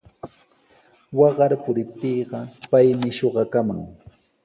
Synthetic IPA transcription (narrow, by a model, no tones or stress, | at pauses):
wɑɢɑɾpʊɾɪp̚t̪iːɢɑpajmɪʃoɢɑkama̰ŋ